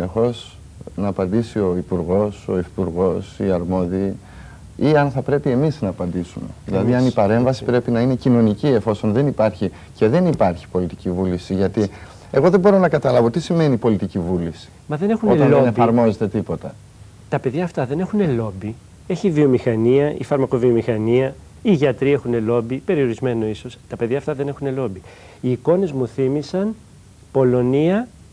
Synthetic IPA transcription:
ine̞xo̞s | nɐːpɐnd̪isio̞ipuɾɣo̞so̞ifi̥puɾɣo̞siɐɾmo̞ðiː | iɐnθɐpɾe̞pie̞miznɐːpɐnd̪isume̞ðilɐðiɐnipɐɾe̞ɱvɐsipɾe̞pinɐine̞cino̞nicie̞fo̞so̞nðe̞nipɐɾçi | ce̞ðe̞nipɐɾçi̥po̞lit̪icivulisiʝɐt̪i | e̞ɣo̞ðebo̞ɾo̞nɐkɐt̪ɐlɐvo̞t̪isime̞nipo̞lit̪icivulisi̥mɐðene̞xunoet̪loɐnefɐɾmo̞zet̪e̞t̪ipo̞t̪ɐ | t̪ɐpe̞ðʝɐːft̪ɐðe̞ne̞xune̞lo̞bi | e̞çiːvio̞mixɐniɐḭfɐɾmɐko̞vio̞mixɐniɐ | iʝɐt̪ɾiɐe̞xune̞lo̞bipe̞ɾio̞ɾizme̞no̞iso̞st̪ɐpe̞ðʝɐft̪ɐðe̞ne̞xune̞lo̞bi | iːko̞ne̞zmuθimisɐn | po̞lo̞niɐ

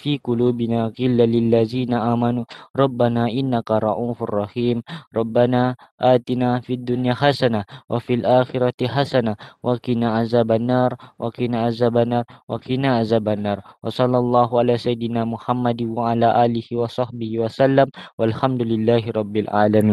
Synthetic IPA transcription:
fiːqʊluːbɪnaːqɪlːalɪlːaziːnaʔaːmanuːɾˤɑbːanaːʔɪnːakaɾˤɑ̰ʔuːfa̰rˤːɑhiːmɾˤɑbːanaː | ʔaːt̪inaːfiad̪ːʊnjaːħasanawʔafilʔaːxɪɾat̪ħasanawʔakɪnaʔazaːbanːaːɾˤwʔakɪnaʔazaːbanaːɾˤwʔakinaʔazaːbanːɑːɾˤwɑsˤɑlːɑlˤːɑːɦʊʔalaːsajɪd̪ɪnaːmʊħamːad̪waʕalaːʔaːlɪhiwɑsˤɑħbɪhiːwasalːamwalħamd̪ʊlɪlːaːɦɪɾˤɑbːɪlʔa̰lamiːn

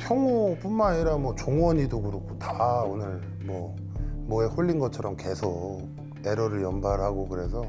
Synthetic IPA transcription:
pʰjʌŋop͈umːaɲiɾamwʌt͡ɕoŋwʌɲidokuɾokʰotaonɯɭ | mwʌ | mʌe̞ɸoʎːinɡʌt͡ɕʰʌɾʌmke̞sʰok̚ | e̞ɾʌɾɯɭjʌmbaɾɦaɡokɯɾe̞sʰʌ

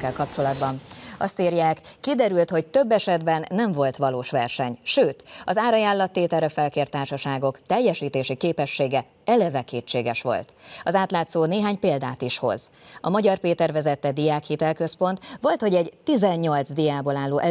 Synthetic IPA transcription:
kːɛlkɒpt͡ʃo̞lɒd̪bɒnɒst̪iːrjaːkːid̪ɛɾylt̪ho̞c̚t̪øbːɛʃɛd̪bɛnːɛɱvo̞lt̪ʋɒloːʃʋɛrʃɛɲʃøːt̪ɒzaːɾɒjaːlːɒt̪ːeːt̪ɛɾɛfɛlkeːrt̪aːrʃɒʃaːɡo̞kt̪ɛjːɛʃiːt̪eːʃikeːpɛʃːeːɡɛ | ɛlɛvɛkeːt͡ʃːeːɡɛʃʋo̞̰lt̪ɒzaːt̪laːt̪soːneːɦaːɲpeːld̪aːt̪iʃho̞̰zɒmɒɟɒrpeːt̪ɛrvɛzɛt̪ːɛd̪ijaːkhit̪ɛlkø̞spo̞nt̪ʋo̞lt̪ho̞ɟɛɟt̪izɛɲɲo̞lt̪zd̪ijaːbolaːlːoːʔɛ

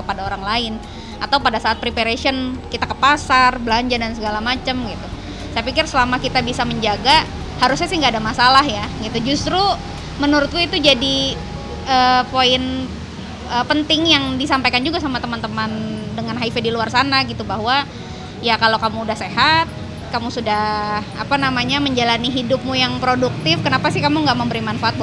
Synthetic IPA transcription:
kəpadaoɾaŋlaɪn | at̪awpadasaːt̪̚pɾipeɾesiənkit̪akəpasarbəlaɲd͡ʒadansəɡalamat͡ʃəmɡit̪u | sajapikɪrsəlamakit̪abisaməɲd͡ʒaɡa | haɾʊs̬ɲasiŋɡaːdamasalahjaɡit̪ud͡ʒust̪ɾu | mənuɾʊt̪̚kuit̪ud͡ʒadi | ʔəːpoɪn | ʔəːpənt̪ɪŋjaŋdisampajkand͡ʒuɡasamat̪əmant̪əmandəŋanɦaifədiluarsanaɡit̪ubaɦwa | jakalowkamuːdahseɦat̪̚ | kamusudaha̰panamaɲaməɲd͡ʒalaniɦidʊp̚mujaŋpɾoduk̚t̪ɪfkənapasɪhkamuŋɡaʔməmbəɾimanfaʔat̪̚

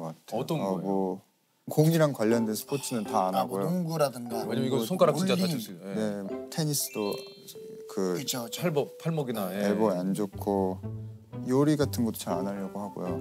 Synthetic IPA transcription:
k͈atʰeʌmʌ | koŋiɾaŋkwaʎːʌndwe̞nsʰɯ̥pʰotʰɯnɯntaːnaɡojooŋɡuɾadɯŋɡaaɲamiɡʌsʰoŋk͈aɾakid͡ʑaane̞tʰe̞ɲis͈ɯ̥d̥͈o | kɯkɯt͡ɕʰopʰaɭmʌɡinajeɭbomand͡ʑokʰo | joɾiɡatʰɯnɡʌt͈o̥t͡ɕaɾanaʎːʌɡoɦaɡo̰jo̰

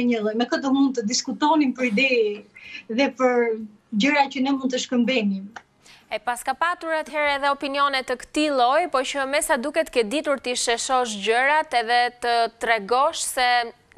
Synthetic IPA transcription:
ɲəlˠɔjmɛkəd̪ɔmund̪̚t̪əd̪iskut̪ɔnimpəɾid̪ɛ | ðɛpəɾ | d͡ʑəɾat͡ɕənɛmund̪t̪əʃkəmbɛnim | ɛpaskapat̪uɾat̪hɛɾɛðɛɔpiniɔnɛt̪əkə̥t̪ilˠɔjpɔt͡ʃəmɛsad̪ukɛt̪kɛd̪it̪uɾt̪iʃɛʃɔʃɟəɾat̪ɛðɛt̪ət̪ɾɛɡɔʃsɛ

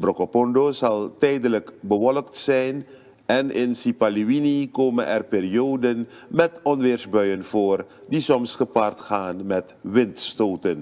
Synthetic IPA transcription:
brɔkopɔndozɑlˠtɛjdələkbəʋɔləktsɛjn | ɛnɪnsipaliʋinikoːmə̰nʔɛ̰rpeːriowdənmɛtɔnʋɪːrsbœɥənv̥oːrdisɔmsχəpartχaːnmɛtʋɪntstoːtən

